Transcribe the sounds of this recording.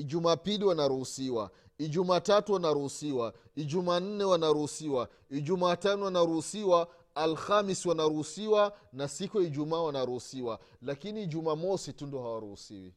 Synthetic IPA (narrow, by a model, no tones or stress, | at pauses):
iʄumaːpiliwanaɾuhusiwa̰ | iʄumaːtatuwanaɾuhusiwa | iʄumaːn̩nɛwanaɾuhusiwa | id͡ʒumaːtanɔwanaɾuhusiwaː | lxamiswanaɾuhusiwanasikuaiʄumaːwanaɾuhusiwa | lakiniːʄumaːmɔsitundiɔhawaɾuhusḭwḭ